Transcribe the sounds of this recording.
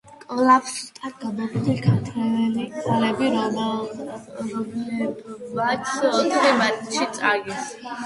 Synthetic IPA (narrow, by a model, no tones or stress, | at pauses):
kʼɔlapst̪ʼaɾ̚ɡ̥abɛbd̪ikʰat̪ʰɾɛɛlialɛbiɾɔmɛ | ɔ | at̪ɔt̪ʰɾɛmanʃit̪sʼaɡis